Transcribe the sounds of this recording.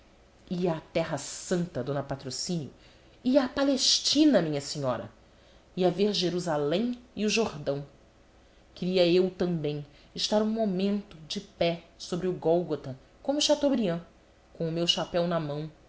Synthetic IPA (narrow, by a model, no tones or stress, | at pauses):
iɐːt̪ɛɦɐsɐ̃nt̪ɐd̪õnɐpat̪ɾosĩniʊ̰ | iɐːpaleʃt͡ʃĩnɐmĩɲɐseɲɔɾɐ̰ | iɐveɾʒeɾuzalẽj̃ɪʊʒoɾd̪ɐ̃w̃ | kɪɾiɐewt̪ɐ̃mbẽj̃ | ɪʃt̪aɾũmomẽnt̪ʊd͡ʒɪpɛsobɾɪʊɡowɡot̪ɐ | kõmʊʃat̪obɾiɐ̃ | kõw̃ʊmewʃapɛwnɐmɐ̃w̃